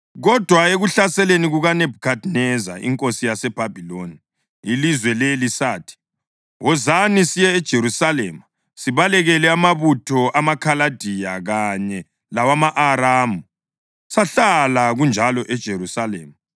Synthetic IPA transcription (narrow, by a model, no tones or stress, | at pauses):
ɣɔd̥ʱwaeɣuɬasɛleniɣuɣanɛb̥̚ʱkʰadnɛza̰ʔḭŋkʼosijasɛb̥ʱab̥ʱiloni | ilizwɛlelisaːtʰi̥ | wɔzanisijɛːd̥ʒ̥ʱeɾusalḛːma | siβalɛɣɛlɛamaβutʰɔʔamakʰalad̥ʱijaɣaɲɛ | lawamaʔaɾaːmu | saɬalaɣund͡ʒʱalɔʔɛd̥ʒ̥ʱeɾusalḛːma